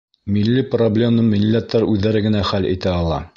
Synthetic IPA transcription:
milːiproblʲe̞mnɤmilʲːæt̪ːɑɾʉðːæɾɘɡɘ̆næχælḭt̪æɑlˠɑ̰

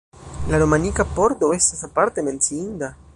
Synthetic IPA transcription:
laɾomãnikapoɾd̪oesasapaɾt̪emẽnsind̪a

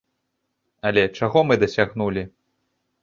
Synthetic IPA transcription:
ɐlʲɛt͡ʂaɣɔmɨd̪ɐsʲaɣnulʲi

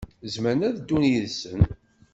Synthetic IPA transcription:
zmənæðd̪ːunjəðsən

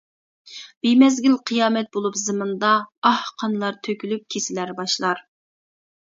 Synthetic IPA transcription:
b̥imɛzɡʲilqʰɨjɑːmɛt̪̚bolˠupzɨmɨnd̪ɑɑhqʰɑnlˠɑɾt̪ʰøkʲylyp̚kʲʰesɪlæɾbɑʃlˠɑɾ

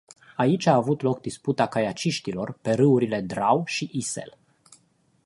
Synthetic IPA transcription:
ait͡ʃʲaːvut̪lok̚d̪isput̪akajat͡ʃiʃt̪ilo̞rpe̞ɾɨuɾile̞d̪ɾawʃiʔise̞̰l

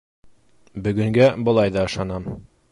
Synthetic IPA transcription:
bɵ̆ɡɵ̆ŋɡæbɤ̆lˠɑjðɑɤ̆ʃɑnɑm

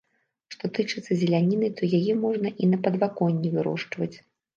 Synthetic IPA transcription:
ʂt̪ɔt̪ɨt͡ʂɨt̪sːɐzʲɛlʲanʲinɨt̪ɔjajɛmɔʐnɐʔinɐpɐd̪vakɔnʲːivɨɾɔ̰ʂt͡ʂvɐt͡sʲ

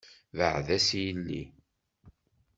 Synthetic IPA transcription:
vəʕðæsjəlːḭ

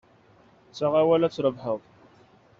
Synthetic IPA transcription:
t͡sːaʁawælæt͡sːɾˤəvħəðˤ

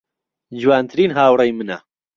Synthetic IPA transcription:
d͡ʒwaːnt̪ʰɾiːnɦaːwrejmɨnɐ

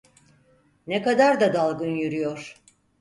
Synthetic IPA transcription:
nekad̪aɾd̪ad̪alˠɡɯnjyɾyjoɾ̥

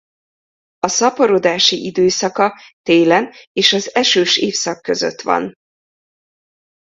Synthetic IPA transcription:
ɒsɒpoɾo̞d̪aːʃiʔid̪øːsɒkɒt̪eːlɛneːʃɒzɛʃøːʃeːfsɒkːø̞zø̰t̪ʋɒ̰n

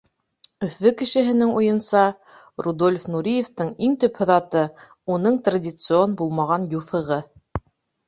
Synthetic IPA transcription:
ɵ̆fːɘkɘ̆ʃɘ̆ɦɘ̆nɘŋujɤ̆nsɑ | rud̪o̞lʲfnuɾʲijeft̪ɤɴiŋt̪ɵphŏðɑt̪ɤ | unɤɴt̪radʲɪt̪sɨonbulˠmɑʁɑnjuθɤ̆ʁɤ

